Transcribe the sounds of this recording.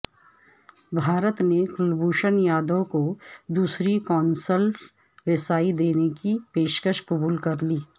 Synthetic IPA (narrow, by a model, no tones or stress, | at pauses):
bʱaːɾət̪nekʊlbuːʃənjaːd̪okod̪uːsɾikɔːnsəl | ɾɪsaːid̪eːnekipeːʃkəʃkɐbuːlkɐɾliː